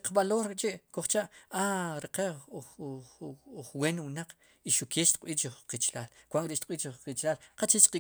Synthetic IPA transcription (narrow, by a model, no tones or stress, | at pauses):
qɓaloːɾeʔt͡ʃiʔkoχt͡ʃaʔaɾeqe | χweːnwnaq͡χ | iʃukeʃt̪qʼɓiːt͡ʃχqit͡ʃlaːlkwaŋkɾiʔʃt̪̚q̚ʼɓiːt͡ʃiit͡ʃlaːlqat͡ʃit͡ʃqi